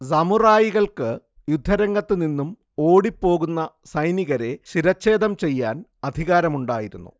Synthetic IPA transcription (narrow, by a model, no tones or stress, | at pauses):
sɐmuraːjiɣɐɭkɨ | jud̪ʱːɐɾɐŋɡɐt̪ːɨninːum | o̞ːɽipːo̞ːɣunːɐ | sɐjniɣɐɾe̞ɕiɾɐt͡ɕːe̞ːd̪ɐmt͡ɕe̞jːaːnɐd̪ʱiɣaːɾɐmuɳɖaːjiɾunːṵ